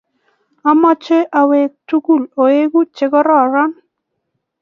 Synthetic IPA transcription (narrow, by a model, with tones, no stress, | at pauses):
a˦mɔ˦t͡ʃe˦ʔa˨we˨tu˦ku˦˨lo˨e˦ɡu˦t͡ʃe˦ɡɔ˦ɾɔ˦˨ɾɔ˦n